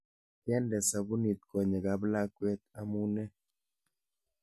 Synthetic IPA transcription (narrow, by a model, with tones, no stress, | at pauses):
tjɛ˦ndɛ˨sa˨bu˦ni˨t̪̚kɔ˨ɲɛ˨ɡa˨bla˦kwɛ˦t̪̚a˦mu˦nɛ˦